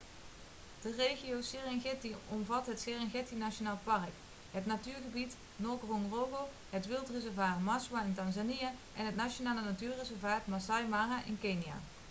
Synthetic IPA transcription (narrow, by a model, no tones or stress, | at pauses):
d̥ərejχiowsɪraŋχɪtiɔmvɑtɦətsɪrɛŋχɪtinat͡ʃonaːləpɑrk | ɦətnatyːɹχəbit | nɔɹkrɔŋrowɣow | ɦətʋɪlˠtrezɛɹvaːtmɑswaɪntɑnzanijaʔɛnɦətnat͡ʃonaːlənatyːɹrezɛɹvaːtmasajmaːraʔɪnkejnija̰ː